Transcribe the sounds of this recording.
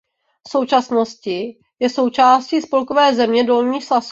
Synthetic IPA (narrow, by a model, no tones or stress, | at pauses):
so̞wt͡ʃasnoscɪ | jɛso̞wt͡ʃaːsciːspo̞lkovɛːzɛmɲɛdo̞lɲiːxslasu